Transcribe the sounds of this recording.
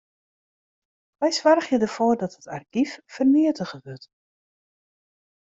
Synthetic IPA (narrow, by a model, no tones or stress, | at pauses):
ʋɛjsʋarxjədərfoːrdɔthətarɡiffərniətəɣəʋøt